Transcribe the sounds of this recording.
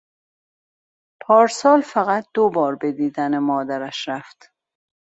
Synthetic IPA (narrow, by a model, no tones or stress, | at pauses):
pʰɒːɾsɒːlfæɣæt̪̚ʰd̪obɒːɾbe̞d̪iːd̪ænemɒːd̪æɾæʃɾæft̪